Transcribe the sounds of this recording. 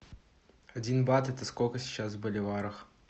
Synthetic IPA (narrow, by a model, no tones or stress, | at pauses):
ɐdʲinbat̪ɛt̪əskolʲkəsʲi̥t͡ɕasbəlʲɪvaɾɨx